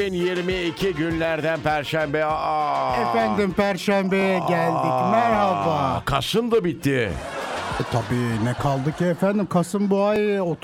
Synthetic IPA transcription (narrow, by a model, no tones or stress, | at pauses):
injeɾmiicʰiɟynlʲæɾd̪ænpʰæɾʃæmbɛaefænd̪ɪmpʰæɾʃæmbejɛɟælʲd̪icmæɾhavakʰa̰ʃɯnd̪abit̪ʰːɪ | t̪ʰabiːnɛkʰalˠd̪ɯkaefænd̪imkʰasɯmbuajot̪